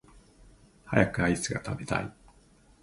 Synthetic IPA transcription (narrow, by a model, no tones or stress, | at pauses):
hajakɯ̟ait͡sɨɡat̪abe̞t̪a̰i